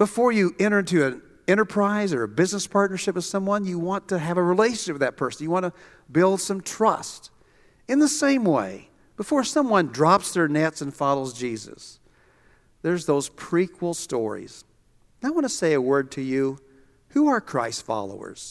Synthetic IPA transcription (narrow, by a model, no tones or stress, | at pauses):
b̥əfɔɹjɨʔɛ̃ɾ̃ə˞ɪ̃ntɨɨ̃n | ɛ̃ɾ̃ə˞pʰɹ̥aɪzə˞ɨbɪznəspʰɑɹtⁿnə˞ʃɪpwɨð̥sʌ̃mwʌ̃njɨwɑ̃ntʰɨɨvəɹileɪʃɨ̃n̩ʃɪp̚wɨðɨt̚pʰɜ˞sn̩jɨwɑ̃ñə | bɪlˠd̥sʌ̃mtʰɹ̥ʌst | ɨ̃nðəsẽɪ̃mwḛɪ | b̥əfɔɹsʌ̃mwʌ̃ndɹɑpsðə˞nɛtsɨ̃nfɑlˠoʊzd͡ʒizɨ̰s | ðə˞zðoʊz̥pʰɹ̥ikʰwəl̩ˠstɔ̰ɹḭz̥ | naɪwɑ̃nəseɪɨwɜ˞d̚tʰɨjʉ | huə˞kʰɹ̥a̰ɪstfɑ̰lˠo̰ʊə̰˞z̥